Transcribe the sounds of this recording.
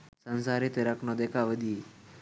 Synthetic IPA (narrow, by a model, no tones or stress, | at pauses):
sənsaɾit̪eɾaknɔd̪ekʰaʋəd̪i